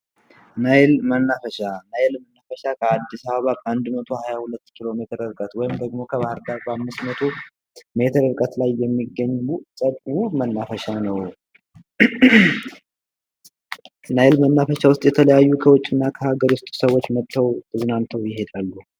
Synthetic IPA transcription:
najlmənːafəʃanajlmənːafəʃakʰəad̪ːisaβaβakand̪mət̪ʰohajahulət̪ːkʰilo̞me̞t̪ʰəɾɨɾkʼət̪wɔjɪmd̪əɡmo̞kʰəβahɨɾd̪aɾbamːɨst̪mət̪ʰo | me̞t̪ʰəɾɨɾkʼət̪lajːɛmːiɡːəɲːuʔsʼəkʼumənːafəʃanəw | najɪlmənːafəʃawʊst̪ʼjɛt̪ʰələjajːukʰəwʊt͡ʃʼːɪnːakʰəhaɡəɾwʊst̪ʼsəwot͡ʃːmət̪ʰːəwt̪ʼɨznant̪ʰːəwjɪɦe̞d̪alːu

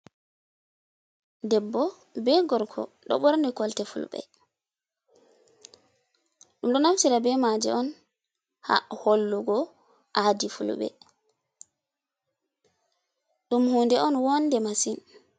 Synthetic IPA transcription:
dɛbːɔ | bɛɡɔɾkʰɔ̰ | ɗɔ̰ɓɔɾnikɔltɛfṵlɓɛ̰ | ɗumɗɔnamsiɾabɛmad͡ʒɛ̰ʔɔn | ha̰holːuɡɔ | ʔadifṵlɓɛ̰ | ɗumhuːndɛʔɔnwɔndɛmasin

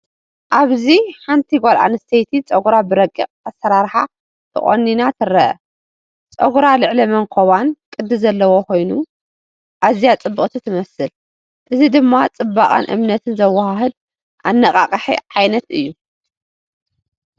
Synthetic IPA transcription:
ʔaβziħant̪ʰiɡʷolʔa̰nɨst̪ʰejt̪ʰit͡sʼɐɡuɾabɨɾɐkʼːɨkʼasɐɾaɾħa̰ | t̪ʰɨ̰χʼo̰nːinat̪ʰɨrɐʔɐ̰ | t͡sʼɐ̰ɡuɾalɨʕlimɐŋkʰoβankʼɨd̪ːɨzɐlːɐwokʰo̞jnu | ʔazijat͡sʼɨbːɨkʼt̪ʰɨt̪ʰɨmɐsɨl | ʔɨzid̪ɨmːat͡sʼɨbaχʼa̰nʔɨ̰mnɐt̪ʰɨnzɐwːahaɦɨd̪̚ | ʔa̰nːɐkʼa̰qʼɐħḭʕajnɐt̪ɨjːu

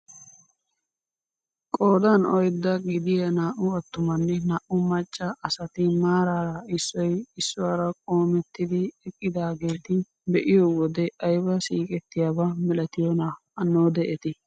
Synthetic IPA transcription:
kʼo̞ːd̪ɐnɔjd̪ːɐɡɪd̪ɪjɐnaːʔʊɐt̪ːʊmɐnːɛnaːʔʊmɐt͡ʃʼːɐʔɐsɐt̪ɪmaːɾaːɾɐɪsːɔjɪsːʊwaːɾɐkʼo̞ːmɛt̪ːɪd̪ɪɛkʼːɪd̪aːɡe̞ːt̪ɪ | bɛʔɪjowɔd̪ɛɐjbɐsiːkʼɛt̪ːɪjaːbɐmɛlɐt̪ɪjonɐ | ɐnːoːd̪ɛʔɛt̪ɪ

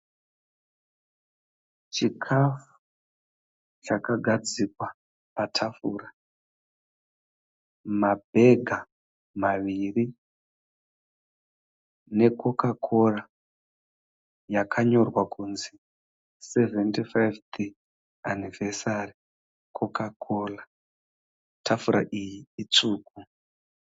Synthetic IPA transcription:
t͡ʃikʰafu̥ | t͡ʃakaɡʱad͡zikwa | patʰafuːra | mabʱe̞ɡʱa | maʋiri | ne̞kʰo̞kakʰo̞ra | jakʰaɲo̞rwakunzi | seventifajvti | anivesari | kʰokakola | tʰafuɾa̰ʔijiːt͡suːku

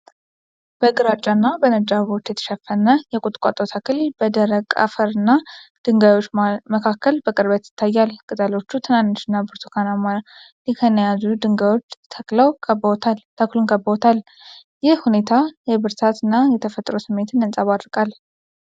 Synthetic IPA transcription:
b̥əɡɨɾat͡ʃʼanːabənəd͡ʒaβo̞t͡ʃ̪ːjɛt̪ʰə̥ʃəfənːəjɛkʼut̪ʼkʼa̰t̪ʼot̪ʰakʰɨlbəd̪əɾəkʼa̰fəɾɨnːad̪̥ɨŋɡajwo̞t͡ʃːməkʰakːəlbəkʼɨɾbət̪jɪ̥t̪ʰːajːalkʼɨt̪ʼəlo̞t͡ʃːut̪ʰɨnanːoʃɨnːabɨɾt̪ʰu̥kʰanama | likʰənəjazud̪ɨŋɡajo̞t͡ʃːt̪ʰəkləwkʰəbt̪ʰalt̪ʰəklunkʼəbəot̪ʰal | jɪhhune̞t̪ʰajɛβɨɾt̪ʰat̪ɨnːajɛt̪ʰəfət̪ʼɾosɨmːe̞t̪ʰɨnɨnsʼaβad̪ɾkʼal

